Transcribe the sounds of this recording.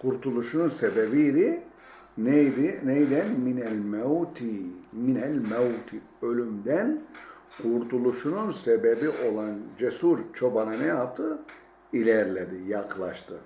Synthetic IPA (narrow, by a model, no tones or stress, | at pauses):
kʰuɾt̪ʰulˠuʃununsebebijd̪i | nɛd̪inɛjd̪ænminɛlʲmeut̪ʰiminælʲmɛut̪ʰi | ølʲymd̪æn | kʰuɾt̪ʰulˠuʃununsebebiʔo̞lˠand͡ʒesuɾt͡ʃʰo̞bananɛjjap̚t̪ʰɯ | ilʲɛɾlʲed̪ijaklˠa̰ʃt̪ʰɯ